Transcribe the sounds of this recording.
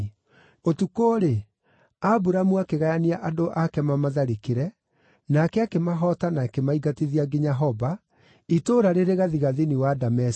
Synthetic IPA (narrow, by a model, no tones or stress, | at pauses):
otukoːɾe | abuɾamuakeɣajaniaʔadoʔakɛmamaðaɾekeɾɛ | nakɛakemaɦɔtanakemaiɡateðiaɡeɲaɦɔba | itoːɾaɾeɾeɣaðiɣaðiniwadamɛs